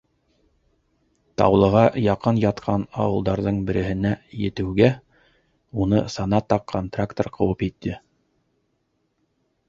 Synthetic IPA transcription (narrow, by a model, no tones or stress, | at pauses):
t̪ɑ̰wlˠɤ̆ʁɑjɑqɤnjɑt̪qʰɑnɑ̰wɤ̆lˠd̪ɑɾðɤɴbɘ̆ɾɘ̆hɘ̆næjɘ̆t̪ɘ̆wɡæ | unɤsɑnɑt̪ɑqʰːont̪rakt̪orqɤ̆wɤpit̪ʰːɘ